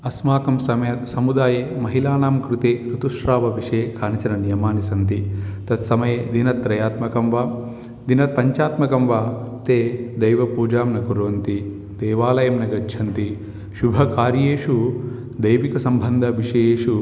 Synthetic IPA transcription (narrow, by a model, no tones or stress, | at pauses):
ɐsmaːkɐmsɐmɐjɐt̪sɐmud̪aːjemɐɦilaːnaːmkɾut̪eːɾut̪uʂɾaːʋɐʋiʂeːkaːnit͡ʃɐnɐnijɐmaːnisɐnt̪it̪ɐt̪sɐmɐjed̪inɐt̪̚ːɾɐjaːt̪mɐkɐmʋaː | d̪inɐt̪̚pɐɲt͡ʃaːt̪mɐkɐmʋaː | t̪eːd̪ɐjʋɐpuːd͡ʒaːmnɐkuɾʋɐnt̪i | d̪ɛːʋaːlɐjɐmnɐɡɐʃʰɐnt̪i | ʃubʱɐkaːɾjeːʂu | d̪ɐjʋikɐsɐmbʱɐnd̪ʱɐʋiʂɐjeːʂu